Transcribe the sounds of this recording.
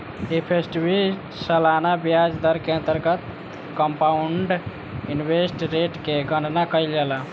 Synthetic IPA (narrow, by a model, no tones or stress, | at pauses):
epʰesʈibi | səlanabijad͡ʒd̪əɾkeə̃nt̪əɾɡət̪ | kəmpauɳɖ | inbesʈɾeʈkeɡəɳɖnakəjld͡ʒela